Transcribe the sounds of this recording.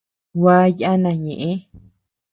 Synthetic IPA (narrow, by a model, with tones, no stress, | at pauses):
wa˦ja˦nã˨ɲẽ˨ʔẽ˦